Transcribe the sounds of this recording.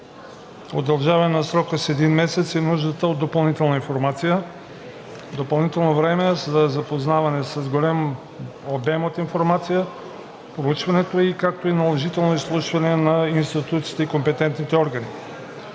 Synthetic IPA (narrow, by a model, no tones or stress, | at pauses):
o̰d̪ɐlˠʒavəɛnɐsɾɔkəsɛd̪inmɛsɛt̪sinuʒd̪ət̪əot̪ːopɐlˠnit̪ɛlˠnəinfoɾmat̪sijə | d̪opɐlˠnit̪ɛlˠnovɾɛmɛzɐzɐpoznavɐnɛsɐzɡolʲam | obɛmot̪infoɾmat̪sijə | pɾout͡ʃvɐnɛt̪oikak̚t̪oinɐlˠɛʒit̪ɛlˠnoislˠuʃvɐnɛnɐinst̪it̪ut̪siːt̪ɛikompɛt̪ɛnt̪nit̪ɛɔɾɡəni